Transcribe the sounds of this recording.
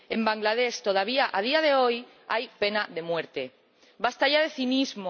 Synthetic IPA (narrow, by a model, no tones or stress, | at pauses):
e̞mbaŋɡlað̞e̞st̪o̞ð̞aβ̞iaʔað̞iað̞e̞o̞j | ajpe̞naðe̞mwe̞ɾt̪e̞ | bast̪aʎaðe̞θinizmo